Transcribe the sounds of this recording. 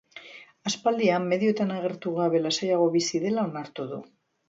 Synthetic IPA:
aspald̪iamːe̞ðjot̪anaɣ̞e̞ɾt̪uɣaβe̞lasajaɣ̞o̞βisiðelaonaɾt̪oðu

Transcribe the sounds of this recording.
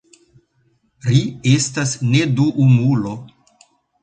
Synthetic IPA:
ɾie̞stasne̞duʔumulo̞

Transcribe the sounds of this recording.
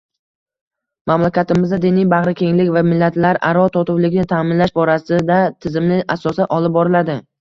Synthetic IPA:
mamlakʲat̪ɪmɪzd̪ad̪ɪnɪjbaʁɾɪkʲʰe̞ŋlɪkʲvamɪlːat̪ʰlaɾa̰ɾɒt̪ʰɒt̪ʊwlɪɡʲɪnɪt̪ʰamɪnlaʃbɒɾasɪd̪at̪ʰɪzɪmlɪʔasɒsaʔɒlɪp̚bɒɾɪlad̪ɪ

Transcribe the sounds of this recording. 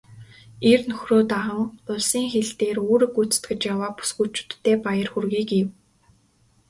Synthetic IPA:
ernɵxroːt̪aʁə̆ŋʊɮsiːŋxeɮt̪eːroːɾɘ̆kut͡s̆t̪ɡɘ̆t͡ɕjawaːpu̥sɡuːt͡ɕʰʊ̥t̪ʰːeːpajə̆rxurɣiːkiw

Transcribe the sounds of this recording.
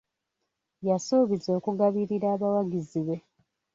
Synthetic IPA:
jasoːβizo̞ːkuɡaβiɾiɾaːβawaɡiziβe̞

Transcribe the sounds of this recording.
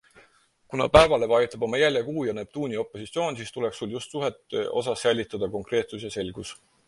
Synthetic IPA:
kunɑ̰pæe̞vɑle̞vɑjut̪ːˑɑb̥o̞mɑjælʲjekuːjɑne̞ːb̥t̪uːnʲio̞pˑːo̞sit̪sijo̞ːnʲsiːst̪ule̞ksuljust̪suɦet̪ːˑøʔo̞̰sɑsːæjlʲːit̪ːˑɑd̪̥ɑko̞ŋkre̞ːt̪susjɑse̞lɡ̥us

